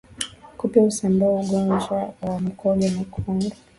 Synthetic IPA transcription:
kupiausambauɡɔnd͡ʒwawam̩kʰɔlɛmikʰuŋɡa

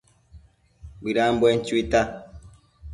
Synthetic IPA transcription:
biɾambwɛn̩tita

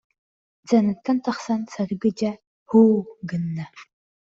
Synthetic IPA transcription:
d͡zɐnɨtʰɐntʰɐχsɐnsʰɐrɨɡɨd͡ʒɐ | huːɡɨnːɐ

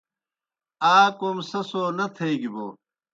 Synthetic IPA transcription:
aːkoːmsɐsoːnɐt̪ʰɐjɡiboː

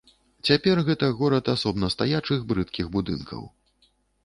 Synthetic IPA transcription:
t͡sʲapʲɛrɣɛt̪ɐɣɔɾɐt̪asɔbnɐst̪ajat͡ʂɨɣbɾɨt̪kʲiɣbud̪ɨ̰nkʰɐ̰w

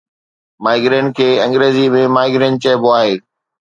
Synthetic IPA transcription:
maːɪɡɾẽːɳkʰeːɐ̃ŋɡɾeːzimẽmaːɪɡɾẽɳ̚t͡ɕɐɦboaːɦeː

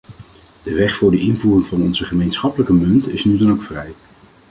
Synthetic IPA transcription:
d̥əʋɛχfʊːɹdəʔɪnvuːrɪŋvɑnɔnzəχəmejnsχɑpələkəmɵntɪsnydɑnowkfrɛj

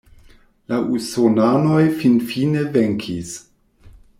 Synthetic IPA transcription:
laʔusonano̞jfinfineveŋkʰis

